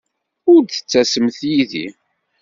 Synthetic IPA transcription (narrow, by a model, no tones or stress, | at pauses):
ʊɾθə̥t͡sːæsəmθjiðḭ